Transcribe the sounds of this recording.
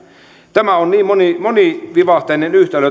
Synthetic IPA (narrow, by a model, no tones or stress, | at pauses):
t̪æmæonniːmmonimoniʋiʋɑht̪enenyht̪elø